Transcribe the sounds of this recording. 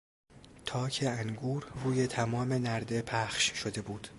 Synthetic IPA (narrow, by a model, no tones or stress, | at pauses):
t̪ʰɒːcʰe̞æŋɡuːɾruːje̞t̪ʰæmɒːme̞næɾd̪e̞pʰæxʃʃo̞d̪e̞buːd̪̥